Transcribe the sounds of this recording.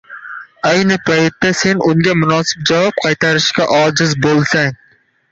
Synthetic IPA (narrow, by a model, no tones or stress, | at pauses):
ajnɪpʰajt̪ːasenʔʊŋɡʲamʊnɑːsɪ̥p̚d͡ʒavɒp̚qʰɑjt̪ʰaɾɪʃkʲaʔɒːd͡ʒɪzbolˠsaŋ